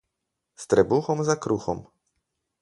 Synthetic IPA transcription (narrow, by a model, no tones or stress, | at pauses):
st̪ɾɛbuxɔmzakɾuxɔ̰m